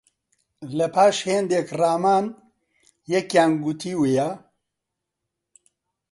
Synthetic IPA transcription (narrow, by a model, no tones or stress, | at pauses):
lɛpʰaːʃheːnd̪eːkraːmaːn | jɛkjaːnɡut̪ʰiːweːja